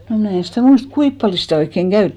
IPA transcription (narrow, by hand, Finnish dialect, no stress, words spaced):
noˑ mnæˑ en̞ stæˑ muist kuip pɑljo sitæˑ oikːeŋ ɡ̊æytːiˑ